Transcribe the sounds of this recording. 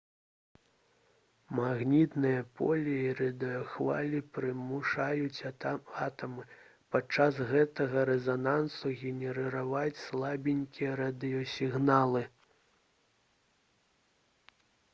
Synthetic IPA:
maɣnʲit̪nɨjɐpʰɔlʲiiɾɐd̪ɨjɔxva̰lʲipɾɨmuʂajut͡sʲat̪ɐmɨ | pat͡ʂːasɣɛt̪ɐɣɐɾɛzanansuɣʲɛnʲɛɾɛɾavat͡sʲslˠabʲinʲkʲijɛɾɐd̪ɨjɔsʲiɣnalˠɨ

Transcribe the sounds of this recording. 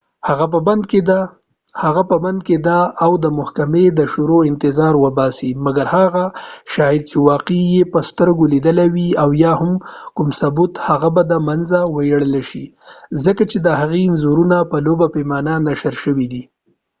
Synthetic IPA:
haɣap̬əband̪̚ked̪a | haɣapəband̪̚ked̪aːwd̪əmʊhkamed̪əʃuɾoɪnt̪ɪzɑɾwəbɑsimaɡaɾhaɣaʃɑjɪd̪̚t͡ʃewɑqejepəst̪əɾɡolid̪əlawiawjɑhʊmkʊmsabut̪haɣabad̪amanzawəjaɽəlaʃi | zəkat͡ʃed̪əhaɣenzuɾunapəlobapemɑnanaʃəɾʃəwid̪i

